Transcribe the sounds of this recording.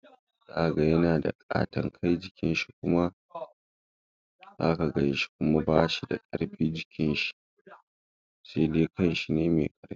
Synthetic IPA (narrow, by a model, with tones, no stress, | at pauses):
za˦ʔa˨ɡɐ˨jɐ˦naː˨da̰˨kʼa̰ː˦tɐ˨ŋkʰa˦jd͡ʒɪ˨kʲɪ˦nʃi˦kʷʊ˦ma˦ | zaː˦ka˨ɡɐ˨jɪ˦ʃi̥˦kʷʊ˦ma˦baː˦ʃi˨da̰˨kʼɐ̰˦ɽɸiː˦d͡ʒɪ˦kʲɪ˦nʃi̥˦ | se˦deː˦kɐ˦nʃi˨neː˦mḛː˨kʼɐ˦ɽɸi˦